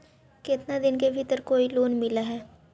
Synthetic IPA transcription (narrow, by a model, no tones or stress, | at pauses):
kɪt̪nad̪ɪnkebʱit̪əɾkoːiloːnmɪlaɦɛː